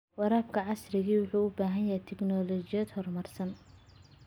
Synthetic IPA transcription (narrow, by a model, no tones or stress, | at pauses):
wɑɾaːb̚kʰɐʕɑsrɪɣiːwʊħuːʊbaːɦɐnjɐɦɛjt̪ʰɛknɔːlɔt͡ʃɪjɐd̪hɔrmɐrsɐn